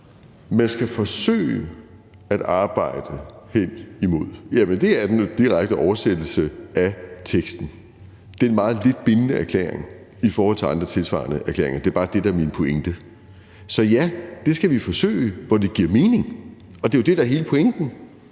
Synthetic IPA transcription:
mænsɡ̥æfɒ̽sø̰ːɪ | æɾ̥ɑ̈ːb̥ɑ̈ɪ̰d̥əhen̰imo̝ð̞̰ˠjæmənd̥e̝æɐd̥end̥iʁaɡ̥̚d̥əɒʊɐsed̥l̩səʔæt͡sʰeɡ̥sd̥n̩ | d̥e̝ɐenmɑ̈ːð̩ˠle̝d̥̚b̥e̝nənəæɐkʰlḛːɐ̰eŋ | ifɒːhɒl̰t͡sʰe̝ɑ̈nd̥ʁɐt͡sʰe̝lsʋɑ̰̈ɐnəʔæɐkʰlḛɐḛŋɐd̥e̝ɐb̥ɑ̈ːd̥e̝d̥ɑ̈ɐminəpʰoeŋd̥ə | sɒ̽jæd̥e̝sɡ̥æʋifɒ̽sø̰ːɪʋɒd̥e̝ɡ̥iɐ̰me̝ːne̝ŋ | ɒ̽d̥e̝jo̝d̥e̝ɾ̥ɑ̈æɐɦe̝ːləpʰo̽eŋd̥n̩

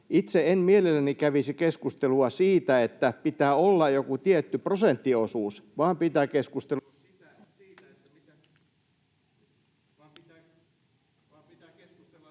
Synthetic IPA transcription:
it̪seenmielelːænikæʋisikeskust̪eluɑsiːt̪æet̪ːæpit̪æːolːɑjo̞kut̪iet̪ːypro̞sent̪ːio̞suːsʋɑːmpit̪æːkeskust̪e

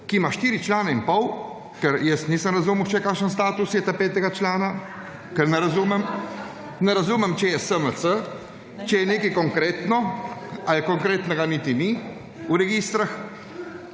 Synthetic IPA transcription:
kimaʃt̪iːɾit͡ʃlanaimpɔw | kɛɾjəsnisəmɾazuməwt͡ʃɛjɛkaʃəns̬t̪aːt̪usjɛt̪apeːt̪ɛɡat͡ʃlaːna | kɛɾnɛɾazumɛm | nɛɾazumɛmt͡ʃɛjɛsəməsə | t͡ʃɛjɛnekikɔŋkɾet̪nɔajɛkɔŋkɾet̪nɛɡanit̪ini | uɾɛɡist̪ɾax

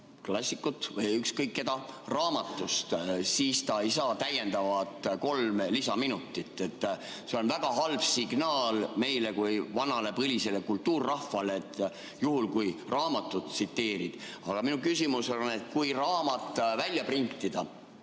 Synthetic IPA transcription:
klɑsʲːikːut̪ːˑvɤjykskɤjkːe̞d̪ɑrɑːmɑt̪ˑːust̪siːst̪ɑeijsɑːt̪æje̞nd̪̥ɑvɑt̪ko̞lmlisɑminut̪ːˑit̪ːˑe̞t̪ːˑ | se̞o̞nvæɡ̥ɑɦɑlb̥siɡ̥nɑːlme̞jle̞kujvɑnɑle̞pɤlise̞le̞kult̪ːuːrːɑhfɑleːt̪ːˑ | juhulkujrɑːmɑt̪ːˑut̪sit̪ːe̞ːɾid̪̥ | ɑɡ̥ɑminukysimusone̞t̪̚kujrɑːmɑt̪ːˑvælʲːjɑprint̪ːˑid̪̥ɑ

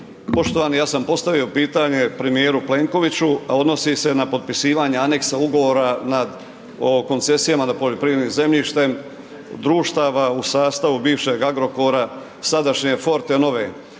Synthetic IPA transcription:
po̞ʃt̪o̞ʋaːnijaːsampo̞st̪aʋio̞piːt̪aɲe̞pɾe̞mijeːɾuple̞ŋko̞ʋit͡ɕuao̞d̪no̞sise̞napo̞t̪̚pisiːʋaːɲeane̞ksauɡo̞ʋo̞ːɾanad̪ | oko̞nt̪se̞sijamanapo̞ʎo̞pɾiʋɾed̪niːmze̞mʎiʃt̪e̞m | d̪ɾuːʃt̪aːʋausaːst̪aʋubiːʋʃe̞ɡaɡɾo̞ko̞ɾa | sad̪aʃɲefo̞ɾt̪eno̞ʋe

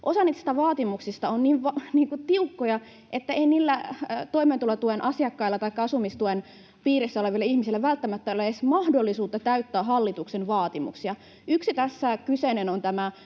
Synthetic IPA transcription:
ʔosɑniːt̪si̥t̪æʋɑːt̪imuksist̪ɑonniːʋʋɑniːŋkut̪iukːojɑ | ʔet̪ːæeiniːlːæt̪o̞iment̪ulet̪uenʔɑsiɑkːɑilːɑt̪ɑikːɑɑsumist̪uen | piːɾesːæoleʋilːeihmisilːæʋælt̪ːæmæt̪ːælːesmɑhdolːisuːt̪ːɑt̪æyt̪ːæːɦɑlːit̪uksenʋɑːt̪imṵksiɑ | yksit̪æsːækysenenont̪æmæ

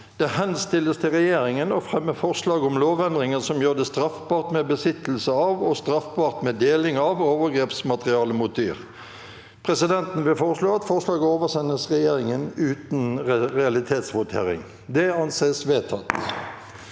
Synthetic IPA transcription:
d̪̥ɛhɛnst̪ɪləst̪ʰɪlʁɛjeːɾɪŋənɔfʁɛmːəfɔʁslɑːɡʊmloːʋɛnd̪ʁɪŋənsɔmjøːʁd̪ɛst̪ʁɑfbɑːʁt̪mebəsɪt̪əl̩səɑʋɔst̪ʁɑfbɑːʁt̪mɛd̪eːlɪŋɑʋoːʋəʁɡɾeːpsmɑt̪ʁɪɑːləmʊt̪̚d̪y̰ːʁ | pʰʁɛsɪd̪ɛnt̪n̩ʋɪlfoːʁəʂloːɑt̪fɔʁʂlɑːɡəoːʋəsɛnəsʁɛjeːɾɪŋənʉːt̪nʁɛɑlɪt̪ʰeːt̪sʋʊt̪ʰḛːʁɪ̰ŋ | d̪ɛɑnseːsʋeːt̪ʰɑt̪

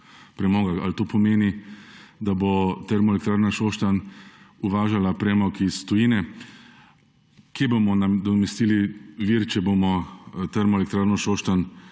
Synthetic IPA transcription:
pɾɛmɔːɡaalt̪oːpʰɔmeːni | d̪abot̪ɛɾmɔelɛkt̪ɾaːɾnaʃoːʃt̪anuʋaːʒalapɾɛmɔkisːt̪ɔjiːnɛ | kebomɔnad̪ɔmɛst̪iːliʋiɾt͡ʃɛbomɔt̪ɛɾmɔɛlɛkt̪ɾaːɾnɔʃoːʃt̪an

